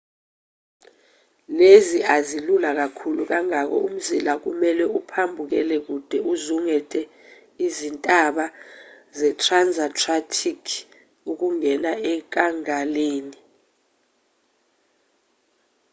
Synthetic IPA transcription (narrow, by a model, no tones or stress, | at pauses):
leziazilulak̬akʰuluk̬aŋak̬ɔ̰um̩zilak̬ṵmɛlɛupʰambʱuk̬ɛ̰lɛk̬ud̥ʱɛuzuŋɛtʼɛ | izintʼaɓa | zɛtʰranzʱatʰʼratʰikʰ | uk̬uŋɛnaɛk̬aŋaleːni